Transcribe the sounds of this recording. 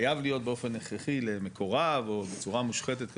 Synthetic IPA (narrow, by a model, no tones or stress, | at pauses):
javlijo̞t̪̚beofe̞neχʁeχilemekʰo̞ʁavo̞bet͡suʁamuʃχet̪et̪k